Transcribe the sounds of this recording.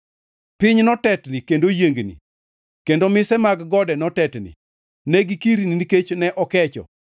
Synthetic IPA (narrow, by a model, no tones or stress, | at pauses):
pɪɲnɔtɛtnikendojeŋɡnḭ | kendomɪsɛmaɡɡɔdɛnɔtɛtnḭ | nɛɡikiɾiniiket͡ʃnɛʔɔkɛt͡ʃɔ̰